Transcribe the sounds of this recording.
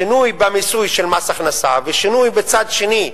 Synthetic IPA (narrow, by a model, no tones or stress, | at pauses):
inujbamisujʃelmasaχnasaveʃinujbet͡sad̪ʃeni